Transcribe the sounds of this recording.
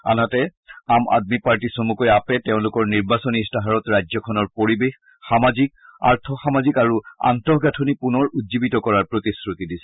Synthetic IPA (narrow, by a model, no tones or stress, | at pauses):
a̰natɛama̰d̚mipaɹtisomukɔjapɛtɛʊ̃lʊkɔɹniɹbasɔnistaɦaɹɔtɹajzɔkʰɔnɔɹpoɹibex | xamazik̚a̰ɹtʰɔxamazikaɹua̰ntɔɦɡatʰonipunɔɹudzibitɔkɔɹaɹpɹotisɹutidisɛ